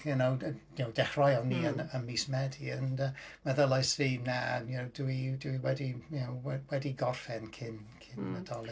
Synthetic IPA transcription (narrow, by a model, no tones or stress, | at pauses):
ənownowdɛχrɔjɔniːənənmiːsmɛdiənəmaðəlˠajsriːmnaowduiduiwɛdinowwɛwɛdiɡɔrfɛnkʰɪnkʰɪnmədɔlˠɪ